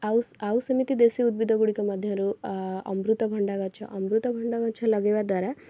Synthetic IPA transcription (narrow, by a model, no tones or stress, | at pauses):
ɐaʋusɐmit̪id̪esiud̪bid̪ʱɐɡuɽikɐmɐd̪ʱjɐɾuɐ̰mbɾut̪ɐbʱɐɳɖaɡɐt͡ʃʰɐ̰ʔɐmbɾut̪ɐbʱɐɳɖaɡɐt͡ʃʰɐlɐɡeʋad̪aɾe